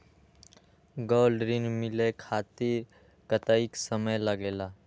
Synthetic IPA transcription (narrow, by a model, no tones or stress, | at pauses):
ɡoːlɖɾinmɪlekʰaːt̪iɾ | kət̪aiksəməjləɡeːlaː